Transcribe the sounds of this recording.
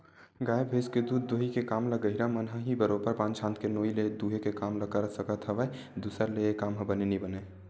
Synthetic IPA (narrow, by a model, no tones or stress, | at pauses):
ɡaːjebʱeːsked̪uːd̪̚ːoːɦikekaːmləɡəɪɾamənɦãɦibəɾopəɾpãːnt͡ʃʰãːnt̪ʰkenoːiled̪uːɦekekaːmləkəɾəsəkət̪ʰəʋə | d̪uːsəɾleekaːmɦə̃bənenibəneː